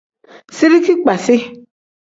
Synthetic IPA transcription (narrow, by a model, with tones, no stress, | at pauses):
sɪ˦ɾi˦ki˦k͡pa˨sɪ˦